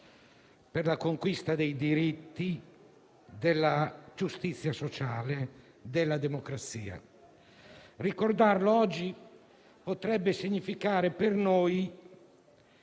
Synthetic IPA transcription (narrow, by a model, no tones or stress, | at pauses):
perlakoŋkwist̪ad̪ejd̪iɾit̪ːi | d̪elːad͡ʒust̪it̪sːjasot͡ʃaːle | d̪elːad̪emokɾat̪siːa̰ | rikord̪arloɔd͡ʒːi | pot̪ɾɛbːesiɲːifikaːɾepernoj